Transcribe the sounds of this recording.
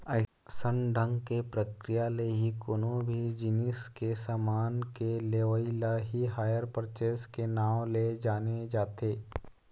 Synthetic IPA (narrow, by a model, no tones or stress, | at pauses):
ə | sənɖʱə̃ŋɡkepɾəkɾɪjaleɦikoːnõbʱid͡ʒɪnɪskesaːmaːnkeleːʋəilaɦiɦaːjəɾpəɾt͡ʃeːskenaːwled͡ʒaːned͡ʒaːt̪eː